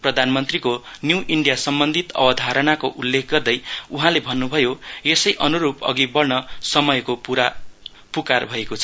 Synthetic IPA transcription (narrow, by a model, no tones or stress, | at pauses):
prʌd̪ʱanmʌnt̪rikonjuwʔiɳɖijasʌmbʌnd̪ʱit̪ʌ̰bʌd̪ʱaɾʌnakoʔulːekʰɡʌrd̪ʌjuɦãlebʱʌnːubʱʌjoesʌjʔʌnuɾupʌ̰ɡibʌrnʌsʌmʌjkopuɾa | pukarbʱʌekot͡sʰʌ